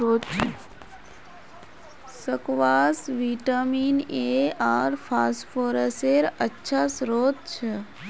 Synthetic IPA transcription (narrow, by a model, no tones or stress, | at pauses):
oːt̪t͡ʃʰe | səkʋaːsʋiʈamiːneaːɾpʰaːsʈpʰoːɾəseɾətːʃʰasɾoːt̪̚t͡ʃʰe